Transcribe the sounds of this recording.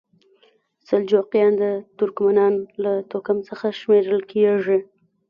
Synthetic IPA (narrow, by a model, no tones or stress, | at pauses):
sald͡ʒoqjɑnd̪ət̪ʊɾkmanɑnlat̪okamt͡səxaʃmeɾəlkeʐi